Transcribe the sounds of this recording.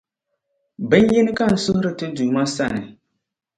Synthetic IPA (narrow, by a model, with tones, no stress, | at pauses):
bɛ˦n˦ji˦nɨ˦ka˦˨n̩˨sʊ˦hʊ˦ɾɨ˨tɨ˦du˨ma˦sa˦˨nɨ˨